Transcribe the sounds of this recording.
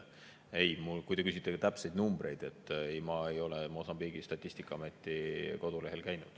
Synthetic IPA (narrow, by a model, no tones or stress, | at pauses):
ejmulkujd̪e̞kys̬ʲit̪ːˑeɑt̪æpse̞jd̪numb̥ɾe̞jd̪̥e̞t̪ːˑejmɑejo̞le̞mo̞sɑmbiːɡist̪ɑt̪ʲːˑisʲt̪ikːˑɑɑme̞t̪ːˑiko̞d̪̥ule̞ɦelkæjnud̪̥